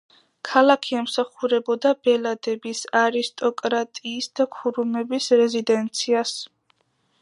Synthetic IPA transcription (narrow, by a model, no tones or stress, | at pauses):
kʰalakʰiɛmsaχuɾɛbɔd̪abɛlad̪ɛbisaɾist̪ʼɔkʼɾat̪ʼiːsd̪̥akʰuɾumɛbisɾɛzid̪ɛnt̪sʰias